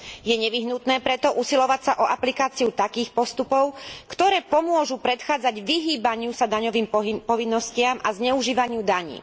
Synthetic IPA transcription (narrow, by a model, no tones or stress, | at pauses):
jɛɲɛʋiɦnut̪nɛːpɾɛt̪ɔʔusilɔʋacsaʔɔʔaplikaːt͡siut̪akiːxpɔst̪upɔʊkt̪ɔɾɛːpɔmʊɔʒupɾɛt̪xaːd͡zaɟʋiɦiːbaɲɪusad̪aɲɔʋiːmpɔʋinːɔscɪamʔazɲɛuʒiːʋaɲɪud̪aɲḭː